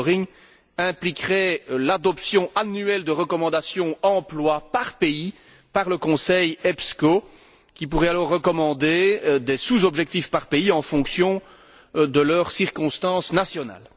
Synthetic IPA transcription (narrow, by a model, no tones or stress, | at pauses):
ʁiŋ | ɛ̃plikʁɛlad̪ɔpsjɔ̃ʔanyɛld̪əʁəkɔmɑ̃d̪asjɔ̃ɑ̃plwapaʁpei | paʁləkɔ̃sɛjɛpsko | kʲip̬uʁɛalɔʁːəkɔmɑ̃d̪ed̪ɛsuzɔbʒɛk̚t̪ifpaʁpeiɑ̃fɔ̃ksjɔ̃ | d̪əlœʁsiʁkɔ̃st̪ɑ̃snasjɔna̰l